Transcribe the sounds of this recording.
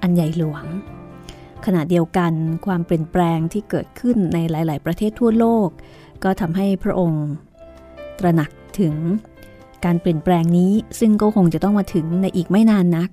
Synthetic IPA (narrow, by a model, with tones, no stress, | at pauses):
ʔa˧nja˨˩jlu˨˩˦əŋ | kʰa˧na˨˩di˧əwka˧nkʰwaː˧mpli˨˩ənplɛː˧ŋt̪ʰiː˥˩kɤː˨˩t̪̚kʰɯ˥˩nːa˧jlaː˩˦jlaː˩˦jpɾa˧t̪ʰeː˥˩t̪ʰːu˥˩ɐloː˥˩kː | ɔː˥˩t̪ʰa˧mɦa˥˩jpʰɾa̰˦˥ʔo˧ŋ | t̪ɾa˧na˨˩k̚t̪ʰɯ˨˩˦ŋ | kaː˧npli˨˩ənpɾɛː˧ŋniː˦˥sɯ˥˩ŋkɔː˥˩kʰo˧ŋt͡ɕa˨˩t̪ɔ˥˩maː˧t̪ʰɯ˩˦ŋna˧jʔiː˨˩k̚ma˥˩jnaː˧nːa˦˥k̚